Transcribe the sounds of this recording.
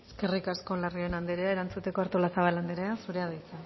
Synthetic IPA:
eske̞rikasko̞lario̞enand̪eɾeae̞ɾant͡sut̪e̞ko̞aɾt̪olasaβ̞aland̪eɾeasuɾe̞aðajt͡sa

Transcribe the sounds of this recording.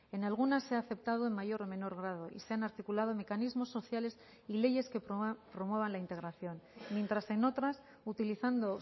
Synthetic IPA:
e̞nalɣ̞unasːeaːθe̞p̚t̪að̞o̞emmaʝo̞ɾomẽ̞no̞ɾɣ̞ɾað̞o̞ʔḭse̞anaɾt̪ikulaðo̞me̞kanizmo̞sːo̞θjale̞s | ile̞je̞ske̞ppɾo̞mwe̞β̞anlaint̪e̞ɣ̞ɾaθjo̞nmje̞nt̪ɾase̞no̞t̪ɾas | ut̪iliθand̪o̞

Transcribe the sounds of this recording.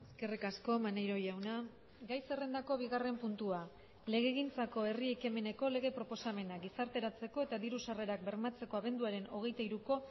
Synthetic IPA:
eske̞rikasko̞manejɾo̞jawna | ɡajse̞re̞nd̪ako̞β̞iɣare̞mpunt̪ua | le̞ɣ̞e̞ːɣ̞int͡sako̞e̞rieke̞me̞ne̞ko̞le̞ɣe̞pɾo̞po̞same̞naɡisaɾt̪e̞ɾat͡se̞ko̞e̞t̪aðiɾusare̞ɾak̚be̞ɾmat͡se̞ko̞aβ̞e̞nd̪uaɾe̞no̞ɣ̞e̞jt̪aiɾuko̞

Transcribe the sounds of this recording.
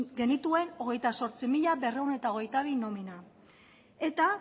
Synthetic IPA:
ɡe̞nit̪ue̞no̞ɣ̞e̞jt̪aso̞ɾt͡simiʎabe̞rewne̞t̪ao̞ɣ̞e̞jt̪aβino̞mina | e̞t̪a

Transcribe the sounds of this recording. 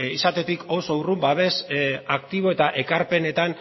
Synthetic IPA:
isat̪e̞t̪ikoso̞urumbaβe̞sakt̪iβ̞o̞e̞t̪aʔe̞kaɾpe̞ne̞t̪an

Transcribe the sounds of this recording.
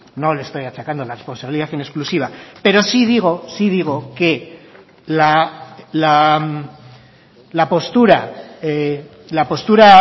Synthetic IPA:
no̞lest̪o̞jat͡ʃakand̪o̞larespo̞nsaβiliðaθine̞sklusiβ̞ape̞ɾo̞siðiɣ̞o̞sið̞iɣ̞o̞ke̞ | lala | lapo̞st̪uɾa | lapo̞st̪uɾa

